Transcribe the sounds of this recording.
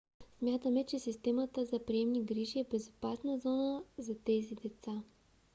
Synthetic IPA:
smʲjat̪əmɛt͡ʃɛsist̪ɛmət̪əzɐpɾiɛmniɡɾiʒiɛbɛzʊpasnəzɔnəzɐt̪ɛzid̪ɛt̪sa

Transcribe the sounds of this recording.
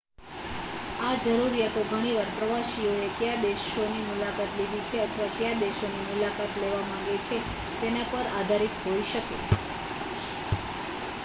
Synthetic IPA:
ad͡ʒəɾuɾjat̪oɡʱəɽ̃iʋaɾpɾəʋaʃioek̪jad̪eʃonimulakat̪lid̪it͡ʃʰeət̪ʰəʋak̪jad̪eʃonimulakat̪leʋamãŋɡet͡ʃʰe | t̪enapəɾad̪ʱaɾit̪ɦoiʃəkḛ

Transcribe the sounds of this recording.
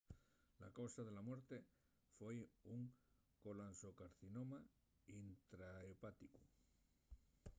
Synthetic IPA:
la̰kawsaðelamwe̞ɾt̪e | fwejuŋ | kolansokaɾθinoma | int̪ɾaepat̪iku

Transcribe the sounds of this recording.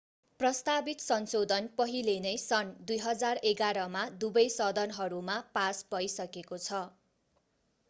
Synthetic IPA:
prʌst̪abit̪sʌnsod̪ʱʌnpʌɦilenʌjsʌnd̪ujɦʌd͡zareɡaɾʌmad̪ubʌjsʌd̪ʌnɦʌɾumapasbʌjsʌkekot͡sʰʌ

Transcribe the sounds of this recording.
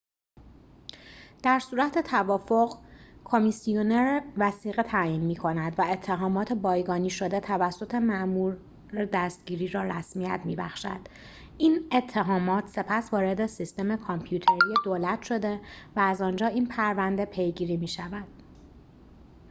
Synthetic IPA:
d̪̥æɾsuːɾæt̪ʰe̞t̪ʰævɒːfo̞ɣkʰo̞misioneɾevæsiːɣet̪ʰæːjiːnmiːkʰo̞næd̪væe̞t̪ʰːeɦɒːmɒːt̪ʰe̞bɒːjɡɒːniːʃo̞d̪e̞t̪ʰævæsːo̞t̪ʰe̞mæʔmuːɾ | ed̪æst̪̚ɟiːɾiːɾɒːɾæsmijæt̪ʰmiːbæxʃæ̰d̪̥ | ʔiːne̞t̪ʰːe̞ɦɒːmɒːt̪ʰse̞pʰæsvɒːɾe̞d̪e̞sist̪e̞me̞kʰɒmpʰjuːt̪ʰe̞ɾijed̪oːlæt̪ʰʃo̞d̪e̞væːzɒnd͡ʒɒːiːnpʰæɾvænd̪e̞pʰe̞jɡiːɾiːmiːʃævæd̪̥

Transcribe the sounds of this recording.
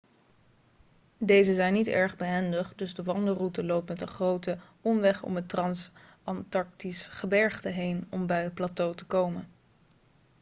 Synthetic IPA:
dejzəzɛjnːitɛ̰ɹχbəɦɛndəχdɵzdəʋɑndərutəlowp̚tmɛtənχrowtə | ɔmʋɛχɔ̰mətrɑns | ɑntɑɹk̚tisχəbɛɹχtəɦejnɔmbɛjət̚platowtə̥kowmən

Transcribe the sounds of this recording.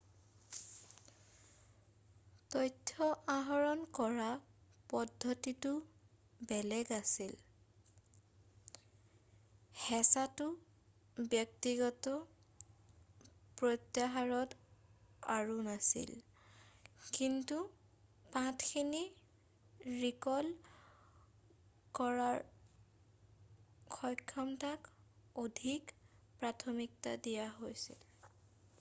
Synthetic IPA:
tɔjtʰːɔʔaɦɔɹɔnkɔɹapɔdʱːɔtitʊ | bɛlɛɡasil | hɛsatʊ | bjɔk̚tiɡɔtɔ | pɹotjaɦaɹɔt | a̰ɹunasḭl | kintu | pãtʰkʰini | ɹikɔl | kɔɹaɹ | kʰɔjkʰːɔmtakodʱikpɹatʰɔmikta̰dijaɦojsḭl

